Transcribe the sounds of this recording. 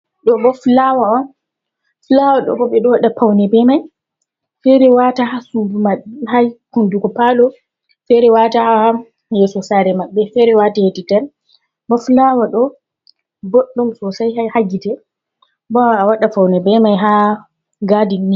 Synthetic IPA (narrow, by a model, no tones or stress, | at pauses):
ɗɔbɔflawaɔn | flawaɗɔ̰bɔɓɛɗɔwaɗafawnɛbɛmaj | fɛɾɛwatahasudumaɓihajkundukɔpalɔ | fɛɾɛwatahaa | jɛsɔsaɾɛmaɓːɛfɛɾɛwatahetitɛn | bɔflawaɗɔ | bɔɗːɔmsɔsajhajhaɡitɛ | bɔawaɗapawnɛbɛmajɦa | ɡadinːi